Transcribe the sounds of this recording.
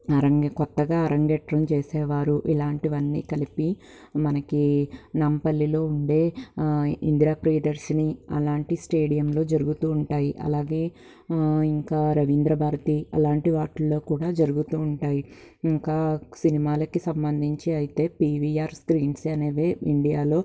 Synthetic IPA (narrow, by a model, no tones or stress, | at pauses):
ɐɾɐŋkɔt̪ːɐɡaːɐɾʔɐŋɡɛʈɾɐmt͡ʃeːsɛːʋaːɾuʔilaːɳʈiʋɐnːḭːkɐlipi | mɐnɐkinɐmpɐlːilo̞ːuɳɖe̞ː | ḭnd̪ɾaːpɾeːɖɐɾsniɐ̰laːɳʈisʈe̞ːɽijɐmlo̞ːd͡ʒɐɾuɡut̪uːɳʈaːjiʔɐ̰laːɡe̞ː | iŋkaːɾɐʋind̪ɾɐbʱaːɾɐt̪iɐ̰laːɳʈiʋaːʈɐlːo̞ːkuːɽaːd͡ʒɐɾuɡut̪uːɳʈaːji | iŋkaːsinimaːlɐkisɐmbɐnd̪ʱiɲt͡ʃiɐjit̪e̞ːpiːʋiaːɾskɾiːnsɐneːʋeːiɳɖijaːlo̞ː